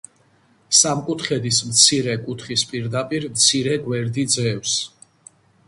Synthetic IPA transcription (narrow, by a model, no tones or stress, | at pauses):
samkʼut̪ʰχɛd̪ismt̪sʰiɾɛkʼut̪ʰχispʼiɾd̪apʼiɾmt̪sʰiɾɛɡwɛɾd̪id̪zɛfs